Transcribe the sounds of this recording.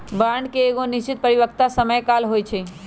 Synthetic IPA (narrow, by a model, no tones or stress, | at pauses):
baɳɖkeːɡonist͡ʃit̪̚pəɾiʋəkt̪asəməjkalɦojt͡ʃʰɛ